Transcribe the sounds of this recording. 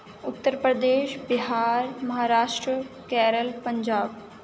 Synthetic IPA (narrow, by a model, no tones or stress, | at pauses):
ʊt̪ːəɾpɾəd̪eːʃbɪɦaːɾmɐɦaːɾaːʃʈɾəkɛːɾəlpəɲd͡ʒaːb